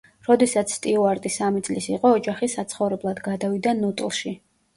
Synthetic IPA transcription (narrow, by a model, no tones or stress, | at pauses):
ɾɔd̪ɛsat̪sʰst̪ʼiɔaɾt̪ʼisamit̪sʼlisiqʼɔːd͡ʒaχisat̪sʰχɔvɾɛblˠad̪ɡad̪avid̪anut̪ʼlˠʃi